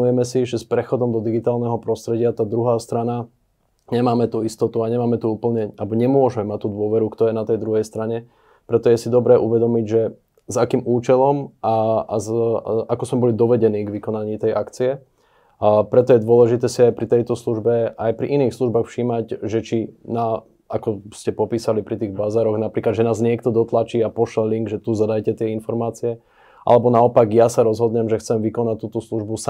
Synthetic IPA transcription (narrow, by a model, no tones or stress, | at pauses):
ujɛmɛsiʒɛspɾɛxɔd̪ɔmd̪ɔd̪iɡit̪aːlnɛɦɔpɾɔst̪ɾɛɟɪat̪aːd̪ɾuɦaːst̪ɾana | ɲɛmaːmɛt̪uist̪ɔt̪uaɲɛmaːmɛt̪uuːpl̩ɲɛalbɔɲɛmʊɔʒɛmɛmac̚t̪ud̪ʊɔʋɛɾukt̪ɔjɛnat̪ɛjd̪ɾuɦɛjst̪ɾaɲɛ | pɾɛt̪ɔjɛsid̪ɔbɾɛːʔuʋɛd̪ɔmiɟʒɛ | zakiːmuːt͡ʃɛlɔmʔaazakɔzmɛbɔlid̪ɔʋɛɟɛniːɡʋikɔnaɲiːt̪ɛjʔakt͡siɛ | pɾɛt̪ɔjɛd̪ʊɔlɛʒit̪ɛːsiajpɾit̪ɛjt̪ɔsluʒbɛʔajpɾḭʔiniːxsluʒbaːxfʃiːmaɟʒɛt͡ʃina | akɔscɛpɔpiːsalipɾit̪iːɣbazaːɾɔɣnapɾiːklad̪ʒɛnaːzɲɪɛk̚t̪ɔd̪ɔt̪lat͡ʃiːapɔʃlɛliŋɡʒɛt̪uzad̪ajcɛt̪ɪɛinfɔɾmaːt͡siɛ | ʔa̰lɛbɔnaɔpaɡjasaɾɔzɦɔd̪ɲɛmʒɛxt͡sɛmʋikɔnat̪uːt̪ɔsluʒbus